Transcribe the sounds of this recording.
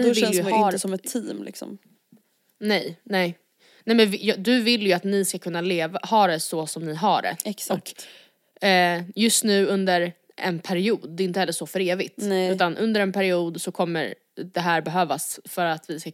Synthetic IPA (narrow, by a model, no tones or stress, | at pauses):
vɪɛjhsɔmɛt̪ʰːiːmlɪ̰ksɔ̰m | nɛjnɛ | nɛmɛnvjd̪ɵvɪlːjɵat̪nɪskakʰɵnːaleːvahɑːɾɛsɔsɔmnɪɦaɖɛ̰ɛksɔkːt̪ː | jɵst̪nʉ̟ːɵnd̪əɾ | ɛ̰npʰæɾɪuːd̪d̪ɛɪnt̪əhɛlːəʂɔfœɾeːvɪt̪nʉːt̪anʔɵnd̪əɾɛnpʰæɾɪuːd̪sɔkʰɔmːə̰ɾ | d̪ɛɦæːɾbɛɦøːvasfœɾat̪vɪska